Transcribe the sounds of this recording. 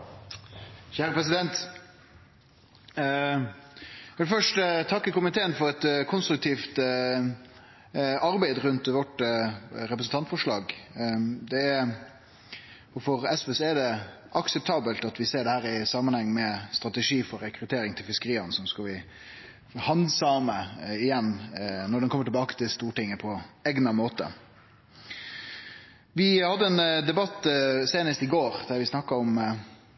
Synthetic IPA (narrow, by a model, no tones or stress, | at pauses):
çæːɾəpʁɛs̬ɪd̪ɛnt̪ | ʋɛlfœʂʈt̪ʰɑkːəkʊmɪt̪ʰeːənfɔɾɛt̪kʰʊnst̪ɾʉk̚t̪ʰiːft̪ | ɑɾbæɪd̪ɾʉnt̪ʋɔʈ | ɾɛpɾəsn̩t̪ɑnt̪fɔʂɭɑːɡ | d̪ɛ | ʊfɔɾɛsøsɔɛd̪ɛ | ʔɑksɛp̚t̪ʰɑːbəlt̪ɑt̪ʋɪseːɖɛhæːɾɪsɑmːənhɛŋːmɛst̪ɾɑt̪ɛʂiːfɔɾːɛkɾʉt̪ʰeːɾɪŋt̪ʰɪlfɪskəɾiːɑnsɔmskɑlʋɪ | hɑnd̪sɑːməɪjɛnːnɔɖɛnkɔməʈɪlbɑːkə̥t̪ʰɪlst̪uːʈɪŋːəpʰɔɛɡnɑmoːt̪ə̰ | ʋɪhɑd̪ːəɛnd̪ɛbɑt̪ːseːnəst̪ɪɡoːɾd̪̥æʋɪsnɑkːɑɔm